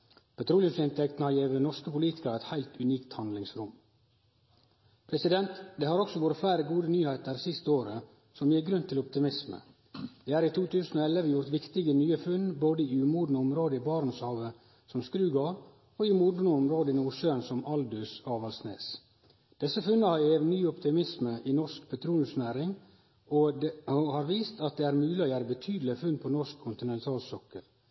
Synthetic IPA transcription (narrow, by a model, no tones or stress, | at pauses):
pʰɑt̪ʰɾuːlɪʉmsɪnt̪ɛkt̪n̩əhɑɾjeːʋənɔʂskəpʊliːt̪ɪ̥kəɾæɪt̪hæɪlt̪ʰʉniːkt̪hɑnd̪lɪŋsɾʊm | pʰɾɛsɪd̪ɛnt̪d̪eːhɑːɾɔksɔʋoːɾət̪flæɪɾəɡuːd̪ənyːhæɪt̪əɾsɪst̪əoːɾə | sɔmjiːɡɾʉnt̪ʰɪlɔp̚t̪ɪmɪsmə̰ | d̪̥eːæːɾit̪ʰuːt̪ʉːsn̩oːɛləʋəjʊɾt̪ʋɪkt̪ɪɡənyːəfʉnboːd̪əiːʉmuːd̪nəɔmɾoːd̪əiːbɑːɾnsɑːʋə | sɔmskɾʉːɡɑ | oɪmuːd̪nəɔmɾoːd̪əɪnuːʂøənsɔmɑld̪ʉsɑːʋɑlsnḛːs | d̪̥ɛsːəfʉnːəhɑɾjeːʋnyːɔpt̪ɪmɪsməʔinɔʂkpʰɛt̪ʰɾuːnʉsnæːɾɪŋ | ɔd̪hɑːɾʋiːst̪ɑt̪̚d̪eːæːɾmʉːlɪoːjæːɾəbət̪ʰyːd̪lɪfʉnpʰɔnɔʂkʰʊnt̪ɪnɛnt̪ʰɑːlsɔkːə̰l